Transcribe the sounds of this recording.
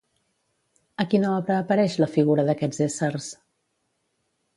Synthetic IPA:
əkinoəpɾəːpəɾɛʃləfiɣuɾəðəkɛd͡zesərs

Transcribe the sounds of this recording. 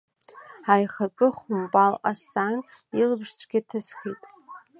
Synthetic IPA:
ajχapʼɨχumbʼalqasan | ilɨbʂt͡sʷʰʼɡʲiatʰɨsχitʼ

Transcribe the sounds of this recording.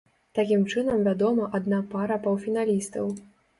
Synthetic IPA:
t̪akʲimt͡ʂɨnɐmvʲad̪ɔmɐʔad̪napaɾɐpɐwfʲinalʲist̪ɐw

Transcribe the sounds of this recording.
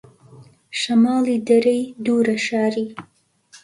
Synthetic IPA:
ʃɐmɑːliːd̪ɐɾɐjd̪uːɾɐʃɑːɾiː

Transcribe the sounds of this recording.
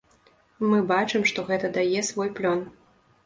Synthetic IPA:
mɨbat͡ʂɨmʂt̪ɔɣɛt̪ɐd̪ajɛsvɔjplʲɔn

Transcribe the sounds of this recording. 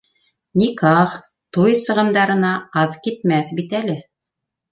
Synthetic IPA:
nikɑχ | t̪ojsɤ̆ʁɤ̆nd̪ɑɾɤ̆nɑɑðkit̪̚mæθbit̪ælɘ

